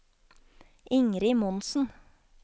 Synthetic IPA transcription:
ɪŋɾɪmɔnsn̩

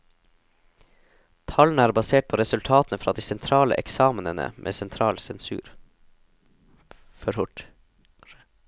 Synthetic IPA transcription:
t̪ʰɑln̩əæːɾbɑseːʈ̚pʰoːɾɛsʉlt̪ʰɑːt̪n̩əfɾɑːd̪iːsɛnt̪ʰɾɑːlə̰ʔɛksɑːmnənə̰mʔḛːsɛnt̪ʰɾɑːlsɛnsʉ̰ːɾ | fɔɾhʊʈ

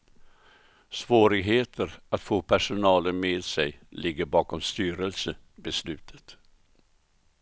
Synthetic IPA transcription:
svoːɾɪɡɦeːt̪ʰəɾat̪foːpʰæʂʊnɑːlənmeːd̪sɛjlɪɡːəɾbɑːkɔmst̪yːɾəlsə | bɛslʉ̟ːt̪ʰə̥t̪

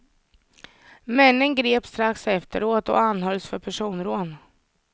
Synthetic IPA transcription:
mɛnːənɡɾeːpst̪ɾaksɛft̪ə̰ɾoːt̪ɔ̰anhœlsfœɾpʰæʂuːnɾoːn

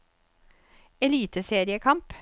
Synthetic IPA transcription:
ɛliːt̪əseːɾɪəkʰɑmp

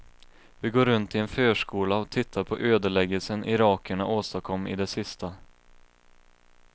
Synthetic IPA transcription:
vɪɡoːɾɵnt̪ʰːɪɛnføːʂkuːlaɔt̪ʰɪt̪ʰːaɾpʰɔʔøːd̪əɭɛɡːəlsənʔɪɾɑːkʰəɳaʔoːst̪akʰɔmːɪ̰d̪ɛsɪst̪a

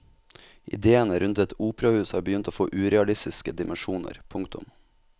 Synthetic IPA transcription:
ʔɪ̰d̪eːənəɾʉnt̪ɛt̪uːpɾɑhʉːshɑ̰ːɾbəjʏnt̪oːfoːʔʉːɾɛɑlɪst̪ɪskəd̪ɪmʔənʃuːnə̰ɾpʰʊŋkt̪ʊ̰m

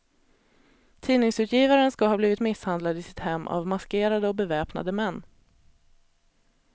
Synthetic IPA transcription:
t̪ʰiːnɪŋsʉ̟ːt̪ʰjiːvaɾənskahɑːbliːvɪt̪mɪshand̪lad̪ɪsɪ̥t̪hɛmːʔa̰vmaskeːɾad̪əɔbɛvɛːpna̰d̪əmɛnː

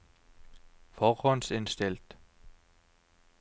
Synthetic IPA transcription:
fɔɔnsɪnstɪlt

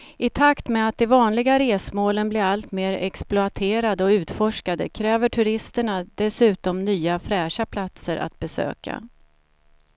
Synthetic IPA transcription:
ɪt̪ʰakt̪mɛat̪̚d̪ɛvɑːnlɪɡaɾeːsmoːlənblɪɾalt̪meːɾɛ̰ksplʊat̪ʰeːɾad̪əɔʉ̟ːt̪fɔʂkad̪əkʰɾɛːvəʈʰɵɾɪst̪əɳad̪ɛsʉ̟ːt̪ɔmnyːafɾɛːʂapʰlat̪səɾʔa̰t̪̚bɛsø̰ːka̰

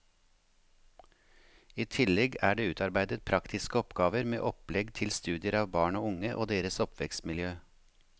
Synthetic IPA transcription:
iːt̪ʰɪlɛɡæːɖeːʉːt̪ɑɾbæɪd̪ət̪̚pʰɾɑkt̪ʰɪskəɔpɡɑːʋəɾmḛːʔɔplɛɡt̪ʰɪlst̪ʉːd̪ɪəɾɑːʋbɑːɳoːʊŋəʔoːd̪eːɾəsɔpʋɛkst̪mɪljøː

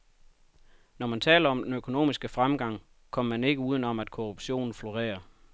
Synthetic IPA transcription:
nɒmænt͡sʰɛ̰ːlɐɒ̽md̥enøkʰo̝no̝̰ːmisɡ̥əfʁamɡ̥ɑ̈ŋ̰ | kʰɒ̽m̰ɐmæne̝ɡ̥əuːð̞ˠn̩ɒ̽mæd̥kʰoʁub̥ɕo̝̰ːn̩flo̝ʁḛːɐ

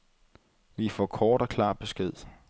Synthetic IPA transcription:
ʋifɒ̰ːkʰɒːɾ̥ɒkʰlɑ̰̈ːb̥e̝sɡ̥eð̞̰ˠ

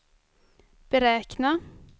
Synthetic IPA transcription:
b̥əɾɛːkna

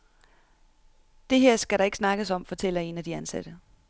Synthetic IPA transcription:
d̥e̝ɦeɐ̰sɡ̥æɾɑ̈e̝ɡ̥snɑ̈ɡ̥əsɒ̽mfɒ̽t͡sʰel̰ɐe̝næd̥iænsæd̥ə

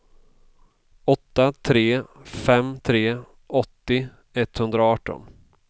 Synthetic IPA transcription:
ɔt̪ːat̪ʰɾeːfɛmːt̪ʰɾeː | ɔt̪ːɪ | ɛt̪ːhɵnd̪ɾaɑːʈːɔ̰n

